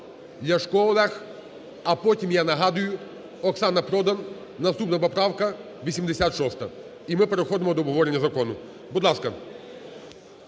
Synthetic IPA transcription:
lʲɐʃkɔlˠɐx | ɐpɔtʲimjanɐɦɑd̪ʊjʊ | ɔksɑnɐpɾɔd̪ɐn | nɐst̪upnɐpɔpɾɑwkɐ | ʋʲisʲimd̪esʲat̪ʃɔst̪ɐ | imɪpeɾexɔd̪emɔd̪ɔɔbɦɔʋɔɾenʲːɐzɐkɔnʊ | bud̪lˠɑskɐ

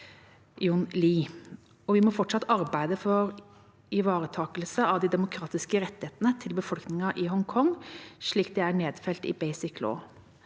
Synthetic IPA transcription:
jʊnliː | ɔʋɪmɔfɔʈʂɑt̪ːɑɾbæɪd̪əfɔɾ | ɪʋɑːɾət̪ʰɑːkəlsəɑʋd̪ɪd̪ɛmʊkʰɾɑːt̪ɪskəɾɛt̪ːɪheːt̪nət̪ʰɪlbəfɔlknɪŋɑʔɪɦɔŋkʰɔŋʂɭiːk̪̚d̪ɛæɳeːd̪fɛlt̪ɪ̰bæɪsɪklo̰ː

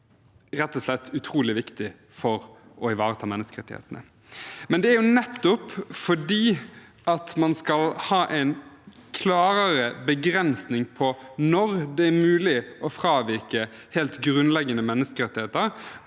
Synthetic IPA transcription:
ɾɛt̪ːɔslɛt̪ʰːʉt̪ʰɾuːlɪʋɪkt̪ɪ | fɔɾʔɔɪʋɑːɾət̪ʰɑːmɛnːəskəɾɛ̰t̪ɪhḛːt̪ənə̰ | mɛnd̪ɛæɾjʊnɛt̪ːʊpfɔɖiː | ɑt̪mɑnskɑlhɑːʔæɪnkʰlɑːɾəɾəbəɡɾɛnsnɪŋpʰɔnɔɾd̪ɛːɾmʉːlɪʔɔfɾɑːʋɪɾkəheːlt̪ɡɾʉnlɛɡːənəmɛnːəskəɾɛt̪ɪheːt̪əɾ

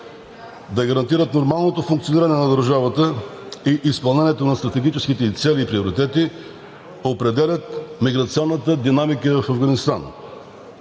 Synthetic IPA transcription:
d̪ɐɡɐɾɐnt̪iɾət̪noɾmalˠnot̪ofuŋk̚t̪sioniɾɐnɛnɐd̪əɾʒavət̪ə | iʔispɐlˠnɛniɛt̪onɐst̪ɾɐt̪ɛɡʲit͡ʃɛskit̪ɛt̪sɛliːpɾioɾit̪ɛt̪i | opɾɛd̪ɛlʲət̪̚miɡɾɐt̪siɔnːət̪əd̪inamikəfɐvɡɐnist̪a̰n

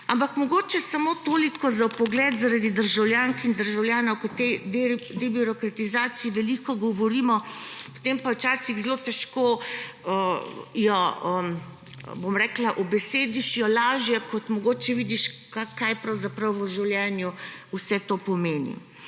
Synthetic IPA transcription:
ampakmɔɡoːt͡ʃɛsamot̪oːlikɔzapɔɡlɛːt̪zaɾad̪id̪əɾʒawljaːŋkind̪əɾʒawljaːnɔwkɔt̪ed̪t̪ebiɾɔkɾat̪izaːt̪siiʋɛlikɔɡɔʋɔɾiːmɔpo̥t̪empawt͡ʃaːsiɣzlot̪ɛʃkoːəjɔə | bomɾɛːklaʔɔbɛseːd̪iʃjɔlaːʒjɛkɔt̪mɔɡoːt͡ʃɛʋid̪iʃakajpɾɐwzapɾɐwɔʒiwljɛnjuwsɛt̪opɔmeːnḭ

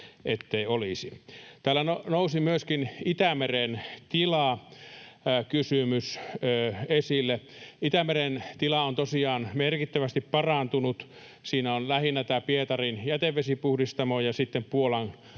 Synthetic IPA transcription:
et̪ːeiolisit̪æːlːænonousimyøskinit̪æmerent̪ilɑ | kysymysøːesilːeit̪æmerent̪ilɑont̪osiɑːnmerkit̪ːæʋæst̪ippɑrɑnt̪unut̪ | siːnæonlæhinːæt̪æːpiet̪ɑrinjæt̪eʋːesipuhdist̪ɑmojɑsit̪ːempuolɑn

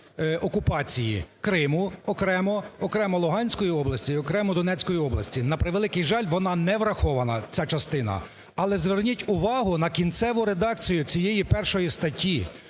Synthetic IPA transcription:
ɔkʊpɑt͡sʲijḭkɾɪmʊɔkɾɛmɔɔkɾɛmɔlˠʊɦɑnʲsʲkɔjiɔblˠɐsʲiiɔkɾɛmɔd̪ɔnɛt͡sʲkɔjiɔblˠɐsʲtʲinɐpɾɪʋelˠɪkɪjʒɑlʲʋɔnɑnɛʋɾɐxɔʋɐnɐt͡sʲat͡ʃɐst̪ɪnɐ̰ | ɐlˠɛzʋernʲitʲʊʋɑɦʊnɐkʲint̪sɛʋʊɾed̪ɑk̚t͡sʲijʊt͡sʲijejipɛrʃɔjist̪ɐtʲʰːi

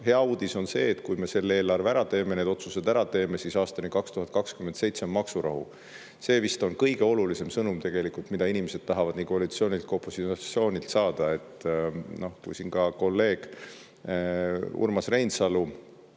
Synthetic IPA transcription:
ɦe̞ɑuːd̪̥iso̞nse̞̰ːt̪kujme̞se̞lːe̞ːlɑrvæɾɑt̪e̞ːmened̪o̞t̪suse̞d̪æɾɑt̪e̞ːme̞sisɑːst̪ɑnikɑkst̪uɦɑt̪̚kɑkskyment̪se̞jt̪se̞mːɑksuɾɑ̰ɦṵ | se̞ːvist̪o̞nkɤjɡ̥e̞o̞lulise̞msɤnumt̪e̞ɡ̥e̞likult̪mid̪ɑinimese̞d̪̥̚t̪ɑɦɑvɑd̪̥nikoɑlit̪sio̞ːnʲilt̪̚kopːˑusiɑsio̞ːnʲilt̪sɑːd̪̥ɑe̞t̪ːˑno̞hkṵjsinkɑko̞lːe̞ːɡ̥ | ṵrmɑsre̞jnsɑlu

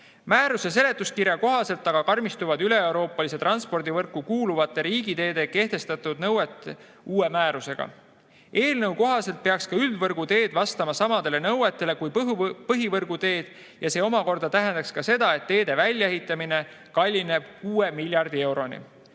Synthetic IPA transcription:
mæːɾuse̞s̬e̞le̞t̪ːˑuskiɾjɑko̞ɦɑse̞lt̪ːˑɑɡ̥ɑkɑrmist̪uvɑd̪yle̞ewɾo̞ːpːˑɑlise̞t̪rɑnspo̞rd̪̥ivɤrkːˑukuːluvɑt̪ːˑe̞ɾiːɡit̪e̞ːd̪̥e̞ke̞ht̪e̞st̪ɑt̪ːˑud̪̥̚nɤwet̪ːˑ | uːe̞mæːɾuse̞ɡ̥ɑ̰ | e̞ːlnɤwko̞ɦɑse̞lt̪̚pe̞ɑkskɑyld̪vɤrɡ̥ut̪e̞ːd̪vɑst̪ɑmɑsɑmɑd̪̥e̞le̞nɤwe̞t̪ːˑe̞le̞kujppɤɦivɤrɡ̥ut̪e̞ːd̪̥ | jɑse̞ːo̞mɑko̞rd̪̥ɑt̪æɦend̪̥ɑkskɑse̞d̪̥ɑe̞t̪ːe̞ːd̪̥e̞vælʲjɑeɦit̪ːˑɑmine̞ | kɑlʲːine̞b̥kuːe̞milʲjɑrd̪ie̞wɾo̞nḭ

